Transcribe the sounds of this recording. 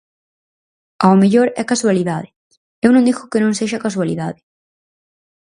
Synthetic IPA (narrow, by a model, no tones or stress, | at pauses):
aomeʎoɾɛkaswaliðaðɪ | ewnõŋd̪ixʊkɪnõŋseʃɐkaswalḭðaðɪ